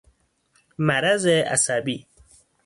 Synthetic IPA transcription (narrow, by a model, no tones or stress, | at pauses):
mæɾazea̰sabi